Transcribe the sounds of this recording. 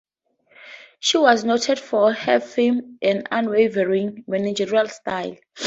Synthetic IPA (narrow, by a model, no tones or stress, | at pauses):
ʃiwɔznotʰɛdfɔhɛfemʔɛ̃nã̰nwevɛɹĩŋmɛnid͡ʒɛɹalstajl